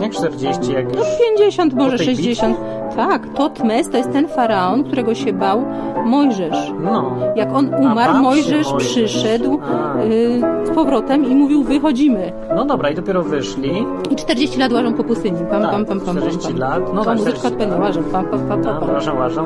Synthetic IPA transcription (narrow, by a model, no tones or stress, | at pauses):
t͡ʂt̪ɛɾd͡ʑet͡ɕijaknɔpʲjeɲd͡ʑeɕɔnt̪mɔʐɛʂɛʑd͡ʑeɕɔ̃nt̪ʰː | akt̪ɔt̪mɛst̪ɔjɛst̪ːɛnfaɾaɔnk̚t̪uɾɛɡɔɕɛbawmɔjʐɛʂ | nɔjakɔnumaɾmɔjʐɛʂpʂʂɘʂɛd̪w | spɔvɾɔt̪ɛmimuvʲiwvɘxɔd͡ʑimɘ | nɔd̪ɔbɾaid̪ɔpʲjɛɾɔvɘʂlʲi | it͡ʂt̪ɛɾd͡ʑeɕt͡ɕilat̪waʐɔ̃m̃kɔpust̪ɘɲipampampampamɾemimlat̪nɔɔmuzɛt͡ʂkaɔt̪̚pɛnd̪ɛwaʐɛpampampapaaʐɛwaʒa